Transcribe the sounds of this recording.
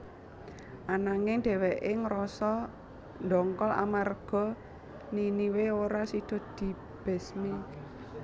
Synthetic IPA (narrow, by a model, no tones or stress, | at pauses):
ʔanaŋɪŋɖ̪̥ɛ̤weʔɪŋɾɔsɔ | nd̪ɔŋkɔla̰marɡ̥ɔ̤ | niniweoɾasid̪̥ɔ̤d̪̥i̤ | b̥ɛ̤smi